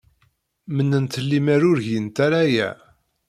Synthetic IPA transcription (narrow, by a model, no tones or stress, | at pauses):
mənːənt̪əlːimæɾʊɾʝint̪aɾajæ̰